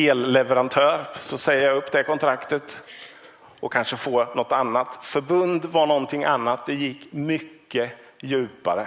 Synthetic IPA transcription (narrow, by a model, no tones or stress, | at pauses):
eːlːɛvəɾant̪ʰœːɾsɔsɛjːjaɵpːd̪ɛkɔnt̪ʰɾakt̪ət̪ | ɔkʰːanʂəfoːnɔt̪ːanːat̪fœɾbɵnd̪vaɳɔnt̪ʰɪŋːʔanːat̪̚d̪ɛjɪkːmʏkːəjʉ̟ːpa̰ɾə